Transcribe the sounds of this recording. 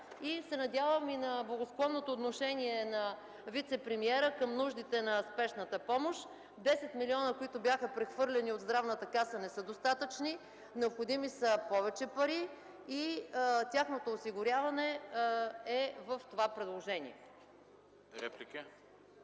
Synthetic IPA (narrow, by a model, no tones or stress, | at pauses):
isɛnɐd̪ʲjavəminɐblˠɐɡosklˠɔnːot̪oːt̪noʃɛniɛnɐ | vit̪sɛpɾɛmiɛɾəkəmnuʒd̪it̪ɛnɐspɛʃnət̪əpɔmoʃ | d̪ɛsɛt̪miliɔnəkoit̪ʊbʲjaxəpɾɛxvɤɾlʲɛniod̪zd̪ɾavnət̪əkasənɛsɤd̪ost̪at̪ət͡ʃni | nɛopxod̪imisəpɔvɛt͡ʃɛpɐɾi | it̪ʲaxnot̪oːsiɡʊɾʲavɐnɛ | ɛvəft̪ovapɾɛd̪lˠoʒɛnḭɛ | ɾɛplikə